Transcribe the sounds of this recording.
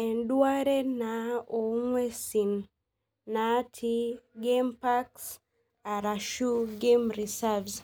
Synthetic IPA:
ɛndwaɾenaɔŋwɛsinː | atʰiɡempaks | aɾaʃuɡemɾisavz

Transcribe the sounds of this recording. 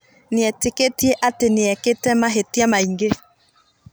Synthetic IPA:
neɛteketieʔateneɛketɛmaɦetiamaiŋɡe

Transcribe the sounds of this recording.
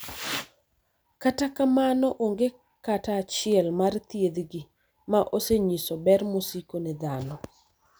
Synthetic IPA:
katakamanɔʔoŋɡe | kataːt͡ʃɪɛlmart̪jed̪ɡi | maʔoseɲisɔbɛrmosikonɛd̪anɔ

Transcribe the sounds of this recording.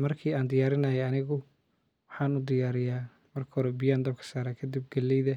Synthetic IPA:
mɐrkʰiːaːnd̪ɪjaːɾɪnɐjɛɐnɪɣʊ | wɑħɑːnʊd̪ɪjaːɾɪjaː | mɐrkʰɐhɔɾɛbɪjaːnd̪ɐb̚kʰɐ̥saːɾaːkʰɐd̪ib̚ɡɐlːɛjðɐ

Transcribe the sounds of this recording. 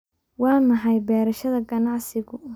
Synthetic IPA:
wɑːmɑħɑjbɛːɾɐʃɐðɐɡɐnɑʕsɪɣʊ

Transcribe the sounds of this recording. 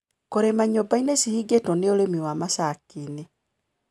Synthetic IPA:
koɾemaɲobainesihiɡetɔneoɾemiwamasakine

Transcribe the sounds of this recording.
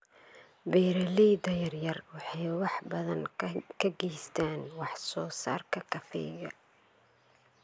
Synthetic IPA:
bɛːɾɐliːd̪ɐjɐrjɐrwɑħɑjwɑħbɐðɐnkʰɐɡɛjst̪ʰaːnwɑħsɔːsa̰ːrkʰɐkʰɐfɛ̰jɣɐ̰

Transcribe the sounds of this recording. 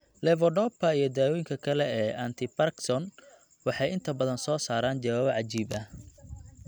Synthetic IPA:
lɛvɔɖɔpɐijɞd̪aːwɔjɪŋkʰɐkʰɐlɛɛːʔɐnt̪ʰɪpɐrksɔn | wɑħɑjɪnt̪ʰɐbɐðɐnsɔːsaːɾaːnd͡ʒɐwaːβʕɑt͡ʃiːbɐ

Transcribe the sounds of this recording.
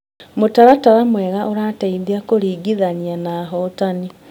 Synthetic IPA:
motaɾataɾamwɛːɣaʔoɾaːtaiðiakoɾiːɡiðanianaɦɔtani

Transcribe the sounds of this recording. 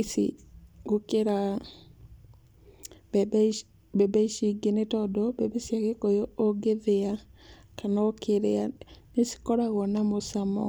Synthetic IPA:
sḭɡokeɾa | b | bɛbaiʃiɡenetɔdɔbɛbesijaɣekojooɡeðea | kanɔkʰeɾeanesi̥kɔɾaɣɔnamosamɔ̰

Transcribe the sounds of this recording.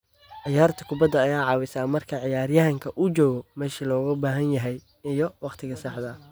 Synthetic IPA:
ʕɪjaːrt̪ʰɐkʰʊbɐd̪ːɐːjaːʕɑːwɪsaːmɐrkʰɐʕɪjaːrjɐɦɐŋkʰɐʔʊt͡ʃɔːɣɔmɛːʃilɔːɣɐbaːɦɐnjɐɦɛj | ɪjɔwɑqt̪ʰɪɣɐsɑħd̪ɐ

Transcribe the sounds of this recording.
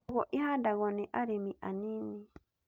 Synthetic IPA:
ɣɔʔihadaɣɔniʔaɾimiʔanini

